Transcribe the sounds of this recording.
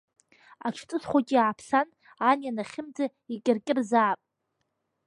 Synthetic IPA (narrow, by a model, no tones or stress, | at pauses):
aʈ͡ʂʰt͡sʼɨsχʷakʲʼiaːpʰsan | anjanaχʲɪmd͡za | ikʲʼɪrkʲʼɪrzaːpʼ